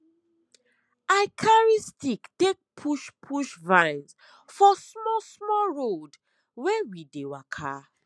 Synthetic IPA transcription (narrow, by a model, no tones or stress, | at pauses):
akʰaɹistiktek̚pʰuʃpʰuʃvãɪns | fɔsmɔsmɔɹod | wɛwidewakʰa̰